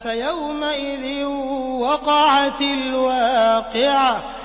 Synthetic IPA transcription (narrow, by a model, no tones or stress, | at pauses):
fajawmaʔɪðɪwɑqɑʕat̪alwaːqɪʕa